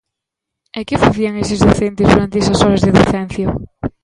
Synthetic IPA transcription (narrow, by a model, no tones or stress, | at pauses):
ekɪfaθiaŋesɪzðoθent̪ɪzðuɾant̪eesɐsɔɾazðeðoθɛn̟θjo